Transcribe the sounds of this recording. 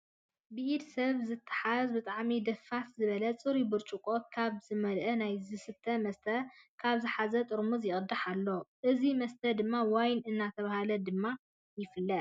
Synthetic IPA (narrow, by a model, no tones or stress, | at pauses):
bɨʔid̪sɐβzɨt̪ʰːḁħazbɨt̪ʼaʕmid̪ɐfːat̪zɨβɐlɐt͡sʼɨɾibɨɾt͡ʃʼukʼokʰaβzɨmɐlʔɐnajzɨsɨt̪ʰːɐmɐst̪ʰɐkʰaβzɨħazɐt̪ʼɨɾmuzjɪʔʼɨd̪aħalːo̞ʔɨzimɐst̪ʰɐd̪ɨmːawajnɨnːat̪ʰɐβahalɐd̪ɨmːa | jɪfɨlːɐt̪